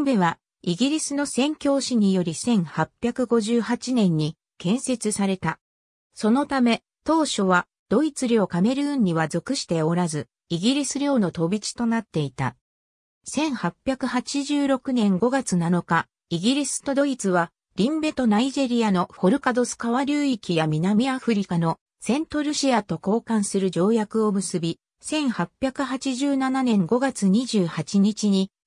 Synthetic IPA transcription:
imbe̞βa | iɡʲiɾʲisɨno̞sẽ̞ŋkʲo̞ːɕiɲ̟ijo̞ɾʲisẽ̞ɰ̃hapʲːjakɯ̟ɡo̞ʑɨːhat͡ɕinẽ̞ɲ̟ːi | kẽ̞ɰ̃se̞t͡sɨsaɾe̞t̪a | so̞no̞t̪ame̞ | t̪o̞ːɕo̞βa | d̪̥o̞it͡sɨɾʲo̞ːkame̞ɾɯ̟ɯ̃ɲ̟ːiβazo̞kɯ̟ɕi̥t̪e̞o̞ɾazɨ | iɡʲiɾʲisɨɾʲjo̞ːno̞t̪o̞bʲit͡ɕi̥t̪o̞nat̪ːe̞it̪a̰ | sẽ̞ɰ̃hapʲːjakɯ̟hat͡ɕiʑɨːɾo̞kɯ̟nẽ̞ŋɡo̞ɡat͡sɨnano̞ka | iɡʲiɾʲisɨ̥t̪o̞d̪o̞it͡sɨβa | ɾʲĩmbe̞t̪o̞naiʑe̞ɾʲiano̞ho̞ɾɯ̟kad̪o̞sɨ̥kaβaɾʲɯːikʲijamʲinamʲiaɸɯ̟ɾʲikano̞ | sẽ̞nt̪o̞ɾɯ̟ɕiat̪o̞ko̞ːkãɰ̃sɨɾɯ̟ʑo̞ːjakɯ̟o̞mɯsɨbʲi | sẽ̞ɰ̃hapʲjakɯ̟ɦat͡ɕiʑɨːnananẽ̞ŋɡo̞ɡat͡sɨɲ̟iʑɨːhat͡ɕiɲ̟it͡ɕiɲ̟i

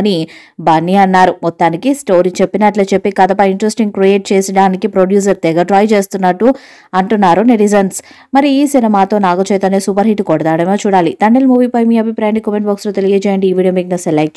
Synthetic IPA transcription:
ɐni | bɐnːiɐnːaːɾumɔt̪ːaːnikisʈoːɾit͡ʃepːinɐʈlɐt͡ʃepːikaːd̪ɐpɐiɳʈɾesʈiŋɡ̚kɾieːʈ̚t͡ʃeːsɐɽaːnikipɾoɖjuːs̬ɐɾt̪ɛɡɐʈɾaːjt͡ʃeːst̪unːɐʈːu | ɐɳʈunːaːɾuneɾizɐns | mɐɾiːsinɐmaːt̪o̞ːnaːɡut͡ʃɛːt̪ɐnesuːpɐɾɦiʈːkɔɽɐd̪aːɽɐmoːt͡ʃuːɽaːlit̪ɐɳɖelmuːʋipɐjmiːɐbʱipɾaːjaɳɖikomeɳʈbɐːksloːt̪eliɡet͡ʃɛːjɐɳɖiːʋiːɖiomek̚ŋɐselek̚ʈ

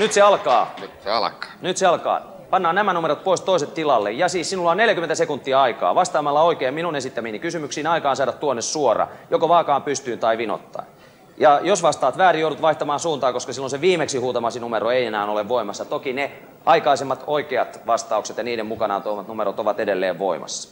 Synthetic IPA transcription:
nyt̪seɑlkɑːseɑ̰lkɑ̥ːnyt̪seɑlkɑ̰ː | pɑnːɑːnæmænumeɾot̪̚poist̪oiset̪t̪ilɑlːḛjjɑsiːssinulːɑneljækyment̪æsekunt̪ːiɑɑikɑ̰ːʋɑst̪ɑːmɑlːɑoikeːmminunesit̪ːæminikysymyksiːnɑikɑːnsɑːɾɑt̪t̪ːuonːessuorɑ̰jokoʋɑːkɑːmpyst̪yːnt̪ɑiʋino̰t̪ːɑ̰in | jɑjosʋɑst̪ɑːt̪ʋæːrijouɾut̪ʋɑiht̪ɑmɑːnsuːnt̪ɑːkoskɑsilːõnseʋiːmeksihuːt̪ɑmɑsinumeɾoeienæːnoleʋʋoimɑsːɑt̪okine | ɑikɑisemːɑt̪oikeɑt̪ʋɑst̪ɑukset̪jɑniːdemmukɑnɑ̰ːnt̪oimːɑt̪numeɾot̪oʋɑt̪edelːḛːʋʋo̰imɑ̰sːɑ̥

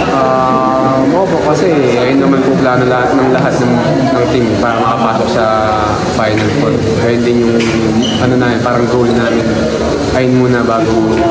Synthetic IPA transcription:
ʔa | mʔo̞ːpo̞ʔkɐsɛ | ʔɐjʊnːɐmankoplaːnolɐhat̪̚nɐŋlɐɦat̪̚nɐŋ | nɐŋt̪impaːɾɐmɐkɐpaːsoksɐ | fajnɐlpond̪kɐjʊnd̪ɪnjʊŋ | ʔɐno̞naːmɪnpaːɾɐŋɡowlnaːmɪn | ʔɐjʊnmuːnɐbaːɡo

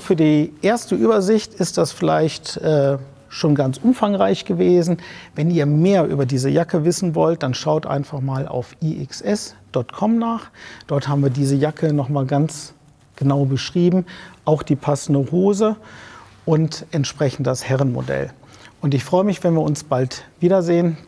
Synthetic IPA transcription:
fyːɐdiːʔeːɐstəʔyːbɐzɪçtɪst̚d̥asfɪla̰ɪçtʔɛː | ʃoːnɡant͡sʔʊmfaŋʁaɪçɡ̥əveːzn̩vɛniːɐmeːɐʔy̰ːbɐdiːzəjakəvɪsn̩vɔlt̚d̥anʃaʊtʔa̰ɪnfaχmaːla̰ʊfʔiːʔɪksʔɛsd̥ɔtkʰɔmnaːχd̥ɔɐthaːbm̩viːɐdiːzəjakʰənɔχmaːlɡant͡s | ɡ̥ənaʊbəʃʁ̥iːbm̩ʔaʊxd̥iːpʰasn̩dəhoːzə | ʔʊntʔɛntʃpʁ̥ɛçn̩td̥ashɛʁənmo̰dɛ̰l | ʔʊntɪçfʁ̥ɔʏəmɪçv̥ɛnviːɐʊnsb̥altv̥iːɾɐzeːən

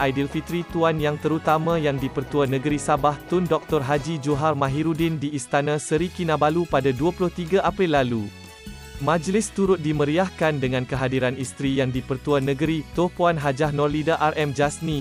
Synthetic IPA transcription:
ʔajdilfit̪ɾit̪uanjaŋt̪əɾut̪amãjaŋdipərt̪uanə̃ɡəɾisabaht̪ʊndɔk̚t̪ɔrɦad͡ʒid͡ʒuɦarmãɦiɾudindiːst̪anãsəɾikinãbalupadaduapulʊht̪iɡaʔapɾilːalu | mãd͡ʒlɪst̪uɾʊt̪̚diməɾiahkandəŋãnkəɦadiɾanist̪ɾijaŋdipərt̪uanə̃ɡəɾit̪ɔpuanɦad͡ʒahnɔrlidaʔarʔɛmd͡ʒasnĩ

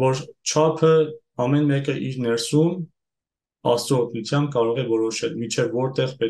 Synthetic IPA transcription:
vɔɾt͡ʃʰɑpʰə | ɑmɛnmɛkəʔiɾnɛɾsum | ɑst͡s̪ɔɔt̪ʰnut͡sʰjɑmb̚kɑɾɔʁɛvɔɾɔʃɛlmint͡ʃʰɛvːɔɾt̪ɛʁpɛ

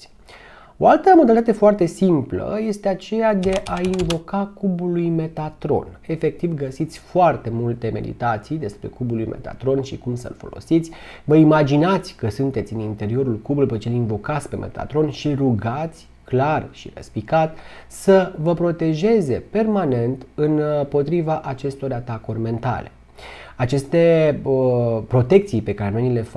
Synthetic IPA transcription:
o̞alt̪əmod̪alit̪at̪e̞foart̪e̞simplə̰je̞st̪e̞at͡ʃe̞jad̪e̞ʔainvo̞kakubulujme̞t̪at̪ɾo̞̰ne̞fe̞k̚t̪ivɡəsit̪sʲfoart̪e̞mult̪e̞me̞̰d̪ḭt̪at̪sijd̪e̞spɾe̞̰kubulujme̞̰t̪a̰t̪ɾo̞nʃikumsə̰lfo̞̰lo̞̰sit̪sʲ | vəimad͡ʒinat̪sʲkəsunt̪e̞t̪sʲɨnint̪e̞ɾio̞ɾulkubulpet͡ʃe̞liɱvo̞kat̪sʲpe̞mḛt̪a̰t̪ɾo̞nʃiruɡat̪sʲ | klarʃiɾə̰spikat̪səvəpɾo̞t̪e̞ʒe̞ze̞pe̞rmane̞nt̪ɨnpo̞t̪ɾivaʔat͡ʃe̞st̪o̞ɾʲat̪akorʲme̞nt̪a̰le̞̰ | at͡ʃe̞st̪e̞əpɾo̞t̪e̞k̚t̪sijpe̞kaɾenojnle̞fa

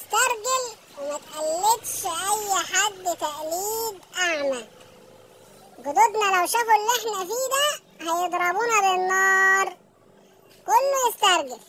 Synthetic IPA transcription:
ɪst̪ɑɾˤɡɪl | wɪmat̪ʔalːɪt̪ʃʔajːħad̪ːt̪aʔliːd̪ʔaʕma | ɡʊd̪ʊd̪nalawʃafulʔeħnæfiːd̪æ | hæjɪd̪ˤɾˤɑbuːnabɪnːɑːɾˤ | kʊlːujɪst̪ɑɾˤɡɪl

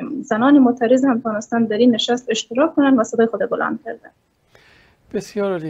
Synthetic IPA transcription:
mzanɒːnemot̪ʰæɾɪzhamt̪ʰɒnɪst̪and̪æɾinːeʃast̪eʃt̪ɪɾɒkkːʊnand̪vasad̪ɒːjxod̪ɒbɪlʔa̰nd̪̚kʰæɾd̪an | b̥esjɔːɾ

